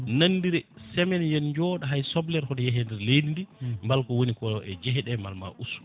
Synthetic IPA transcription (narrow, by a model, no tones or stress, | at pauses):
nanːdiɾɛsɛmɛnjɛnɲd͡ʒɔːɗaɦajsɔblɛɾhɔdɛjɛɦɛndɛɾledindimbalkɔwonikɔɛd͡ʒɛɦɛɗɛmalma̰ʔusu̥